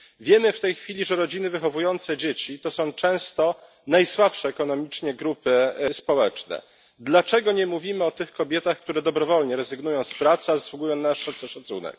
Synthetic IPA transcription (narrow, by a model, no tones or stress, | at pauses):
vʲjɛmɘft̪ɛjxfʲilʲiʐɛɾɔd͡ʑinɘvɘxɔvujɔnt̪sɛd͡ʑet͡ɕit̪ɔsɔ̃w̃t͡ʂɛ̃w̃st̪ɔ | najswapʂɛːkɔnɔmʲit͡ʂɲɛɡɾupɘspɔwɛt͡ʂnɛ̰ | d̪lat͡ʂɛɡɔɲɛmuvʲimɘɔt̪ɘxkɔbʲjɛt̪axk̚t̪uɾɛd̪ɔbɾɔvɔlɲɛɾɛzɘɡnujɔ̃w̃spɾat̪sɛazaswuɡujɔ̃w̃naʂʂat̪sɛʂat̪sṵnɛ̰k̚